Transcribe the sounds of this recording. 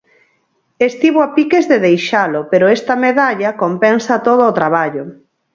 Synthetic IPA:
est̪iβoapikezðeðejʃalʊpeɾʊest̪ɐmeðaʎɐkompɛnsɐt̪oð̞oːt̪ɾaβ̞aʎʊ

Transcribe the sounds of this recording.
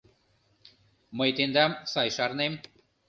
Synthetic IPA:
məjt̪end̪ɑmsɑjʃɑɾnem

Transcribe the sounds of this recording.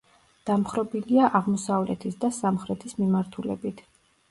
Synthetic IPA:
d̪̥amχɾɔbiliaʔaʁmɔsavlɛ̰t̪ʰisd̪asamχɾɛt̪ʰismimaɾt̪ʰulɛ̰bit̪ʰ

